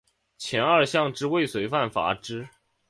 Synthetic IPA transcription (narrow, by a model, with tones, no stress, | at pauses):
t͡ɕʰjɛ˧˥nə˞˥˧ɕjɑ˥˧ŋʈ͡ʂɻ̩˥we˥˩ɪswe˧˥ɪfa˥˩nfa̰˧˥ʈ͡ʂɻ̩˥